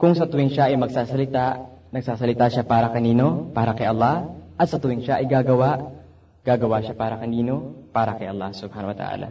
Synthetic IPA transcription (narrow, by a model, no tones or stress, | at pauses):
kʊŋsɐt̪ʊwɪŋʃaʔɐjmɐɡ̚saːsɐlɪt̪aʔnɐɡ̚saːsɐlɪt̪aːʃapaːɾɐkɐniːno̞paːɾɐkɐjʔɐlˠːɑhʔɐt̪̚sɐt̪ʊwɪŋʃaʔɐjɡaːɡɐwaʔ | ɡ̥aːɡɐwaːʃapaːɾɐkɐniːno̞paːɾɐkɐjʔɐlˠːahsʊb̥̚haːnɐwɐt̪ɐ̰ʔa̰ːlɐ̰